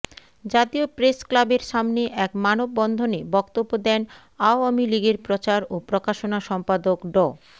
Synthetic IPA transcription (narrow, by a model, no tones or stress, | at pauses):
d͡ʑat̪iopɾesklabeɾʃamneʔɛkmanobːɔnd̪ʱonebɔkt̪obːod̪ɛn | aoamiliɡeɾpɾot͡ɕaɾopɾokaʃonaʃɔmpad̪okɖɔ